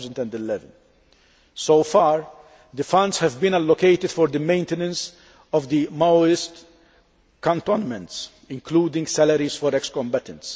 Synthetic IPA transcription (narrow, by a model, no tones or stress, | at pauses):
zə̃nd̪ɛ̃nd̪ɪlɛvə̃n | sowfɑːɾ | d̪əfɐ̃ndshɛvbĩnɐlːɔkejt̪ɪd̪̥fɔɾd̪əmẽɪ̃nt̪ɛnɛ̃ns | ɔvd̪imaɪst̪ | kɔ̃nt̪ɔnmɛ̃nt̪s | ɪ̃ŋkluːd̪ɪ̃ŋɡsælɐɾizfɔɾɛkskɔ̃mbɛt̪ɛ̃nt̪s